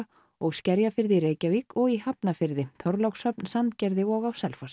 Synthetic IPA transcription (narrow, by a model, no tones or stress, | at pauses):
ɔɣscɛɾjafɪɾðɪiɾeːjcavikʰɔɣiɦapnafɪɾðɪθʰɔɾlawksœpnsant̪cɛɾðɪɔɣawsɛlfas